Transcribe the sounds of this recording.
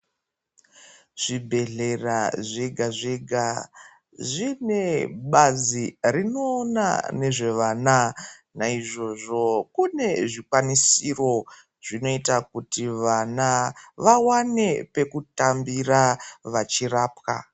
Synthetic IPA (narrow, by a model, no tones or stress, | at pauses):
ʐ̥ibʱe̞ɮe̞raʐeɡʱaʐeɡʱa | ʐine̞ɓazirino̞ːna̰ne̞ʐe̞ʋaːna | naiʐo̞ʐo̞kune̞ʐikwanisiro̞ | ʐ̥ino̞itakutiʋanaʋawane̞pe̞kutambiraʋat͡ʃiraːpka̰